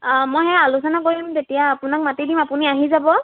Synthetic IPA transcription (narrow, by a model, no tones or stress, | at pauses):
mojɦɛalusɔnakoɹimtetijaːpʊnak̚matidimapʊniaɦizabɔ